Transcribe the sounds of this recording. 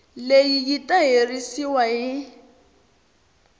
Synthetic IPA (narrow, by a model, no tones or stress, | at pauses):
lejijitʼaɦerisiwaɦɪ